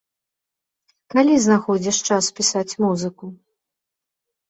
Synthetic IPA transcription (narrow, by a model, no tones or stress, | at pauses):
kalʲiznaxɔd͡zʲiʂt͡ʂaspʲisat͡sʲmuzɨku